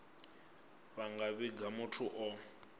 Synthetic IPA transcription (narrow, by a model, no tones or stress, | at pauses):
βaŋɡaβiɡamʊtʰuʔɔ